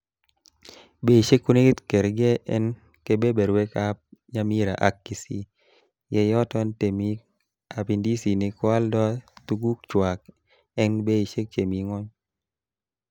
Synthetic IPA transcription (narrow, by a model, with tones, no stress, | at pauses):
be˦i˨ʃe˦kːu˦ne˦t̪ke˨ɾɡɛ˦ʔɛ̰˦n | ke˦be˦be˨ɾwe˦ka˦p̚ɲa˦mi˦ɾa̰˨ʔa˨kːi˨si˦ | jɛ˦jɔ˦tɔ˦nte˨mi˦ | a˨pi˨ndi˦si˨nɪ˨kwa˦ldɔ˦t̪u˦ɡu˦k̚t͡ʃwa˨k̚ | ɛ˦nbe˦i˨ʃe˦k̚t͡ʃe˨mi˨ŋɔ˦ɲ